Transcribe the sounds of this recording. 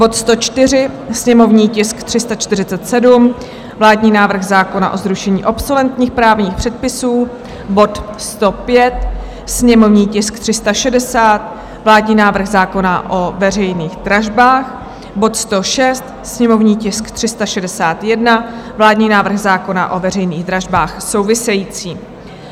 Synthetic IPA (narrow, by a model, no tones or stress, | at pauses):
bo̞t̪st̪o̞t͡ʃt̪ɪr̝ɪ | sɲɛmo̞vɲiːcɪskt̪r̥ɪst̪at͡ʃt̪ɪrɪt͡sɛt̪sɛdum | vlaːdɲiːnaːvr̩ɣzaːko̞naʔo̞zɾuʃɛɲiːʔopsolɛnt̪ɲiːxpɾaːvɲiːxpr̥ɛt̪̚pɪsuː | bo̞t̪ | st̪o̞pjɛt̪̚ | sɲɛmo̞vɲiːcɪsk̚t̪r̥ɪst̪aʃɛdɛsaːt̪ | vlaːdɲiːnaːvr̩ɣzaːko̞naʔovɛrɛjniːɣd̪ɾaʒbaːx | bo̞t̪st̪o̞ʃɛst̪ | sɲɛmo̞vɲiːcɪskt̪r̝̥ɪst̪aʃɛdɛsaːt̪jɛdnavlaːdɲiːnaːvr̩ɣzaːko̞na̰ʔo̞vɛrɛjniːɣd̪ɾaʒbaːxso̞wvɪsɛjiːt͡siː